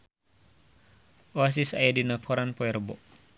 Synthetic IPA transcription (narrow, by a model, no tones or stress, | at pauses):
ʔoas̬isa̰jɛdinakʰɔɾanpɔɛrbɔʔ